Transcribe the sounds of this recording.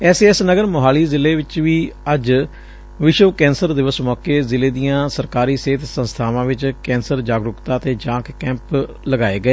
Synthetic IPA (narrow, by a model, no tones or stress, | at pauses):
ɛːseɛsnəɡəɾmʊɦaːliːzɪleːʋɪt͡ʃʋiːəd͡ʒ | ʋɪʃəʋkɛ̃ːnsəɾd̪ɪʋəsmɔːkeːzɪleːd̪ijãːsəɾkaːɾiːseːt̪ʰsə̃nst̪ʰaːʋãːʋɪt͡ʃkɛ̃ːnsəɾd͡ʒaːɡɾʊkt̪aːt̪eːd͡ʒãːkkɛ̃ːmp | ləɡaːeːɡəeː